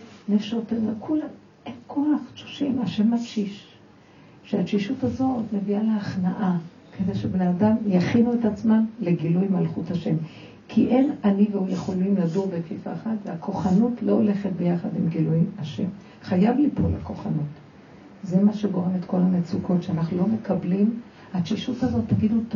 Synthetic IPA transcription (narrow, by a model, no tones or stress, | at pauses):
nefʃotenakʰulam | enkʰoaχtʃu̥ʃimaʃe̞mːatʃiʃ | ʃeatʃiʃutazo̞tme̞vialeaχnaʔa | kedeʃebneadamjaχinuetat͡smamle̞ɡilujmalχuthaʃe̞m | kʰiʔe̞naniveujeχo̞limladuʁbekfifa̰χatveakʰo̞χanutlo̞ole̞χet̚be̞jaχadimɡilujimaʃe̞m | χajavlipolʔa̰ko̞χanut | zemaʃe̞ɡo̞ʁe̞me̞tko̞lanet͡suko̞tʃeanaχnulo̞me̞kʰablim | atʃiʃutazo̞tːaɡidut